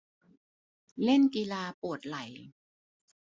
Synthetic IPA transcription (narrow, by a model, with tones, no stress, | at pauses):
le˥˩nki˧laː˧pu˨˩ət̪̚la˩˦j